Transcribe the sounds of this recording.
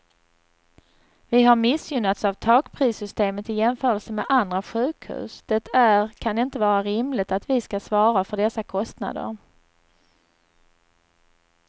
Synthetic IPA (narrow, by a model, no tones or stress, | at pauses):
vɪɦaɾmɪsjʏnat̪savt̪ʰɑːkpʰɾiːsʏst̪eːmət̪ɪjɛmfœːɾəlsəmɛd̪ʔand̪ɾaɧʉ̟ːkhʉ̰ːsd̪̥ɛt̪ʰæɾkʰanɛɪnt̪əvɑːɾaɾɪmlɪt̪at̪vɪskasvɑːɾafœɖɛsakʰɔst̪na̰d̪ə̰ɾ